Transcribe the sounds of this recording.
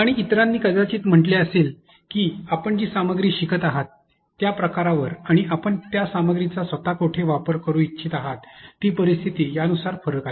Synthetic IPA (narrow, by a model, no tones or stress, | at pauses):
aɽ̃iːt̪ɾãnːiːkəd͡zat͡ɕiːt̪m̤əɳʈleəsel | kiːapəɳd͡ʑiːsaməɡɾiːɕikət̪aɦat̪ː | japɾəkaɾaʋəɾaɽ̃iʔapəɳt̪jasaməɡɾit͡sasʋət̪akoʈʰeʋapəɾkəɾũːitːɕʰiːt̪aɦat̪ːiːpəɾist̪ʰit̪iːjaənusaɾfəɾəkae